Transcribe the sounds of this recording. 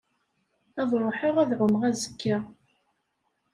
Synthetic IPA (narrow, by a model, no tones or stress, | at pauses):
ɑðˤɾˤoħəʁæðʕʊmʁæzə̥kʰːa